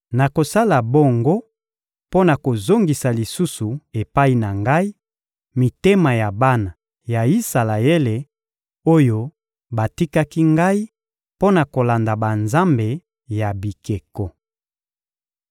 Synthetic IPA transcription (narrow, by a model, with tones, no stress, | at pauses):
na˨ko˨sa˦la˨bo˦ŋɡo˦ | po˦na˨ko˨zo˦ŋɡi˨sa˨li˨su˦su˨e˨pa˦i˨na˨ŋɡa˦i˦ | mi˨te˦ma˨ja˨ba˦na˨ | ja˨i˦sa˨la˨e˦le˨ | o˦jo˦ | ba˨ti˦ka˦ki˦ŋɡa˦i˦ | po˦na˨ko˨la˨nda˨ba˨nza˦mbe˨ | ja˨bi˨ke˨kɔ˨